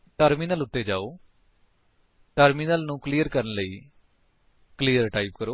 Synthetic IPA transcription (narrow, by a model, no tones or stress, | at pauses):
ʈəɾmiːnəlʊt̪ːeːd͡ʒaːoː | ʈəɾmiːnəlnũːkliːəɾkəɾənləiː | kliːəɾʈaːiːpkəɾoː